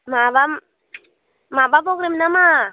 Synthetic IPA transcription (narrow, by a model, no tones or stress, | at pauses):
mabam | mabapɔkɾemnama